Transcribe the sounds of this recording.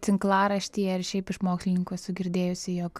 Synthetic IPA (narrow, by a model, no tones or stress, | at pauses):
t̪ʲɪŋklˠɑːɾɐʃʲt̪ʲiːjɛɐɾʃʲɛɪpɪʃmoːksʲlʲɪnʲɪŋkuɛsʊɡʲɪɾʲd̪ʲeːjʊsʲɪjoːk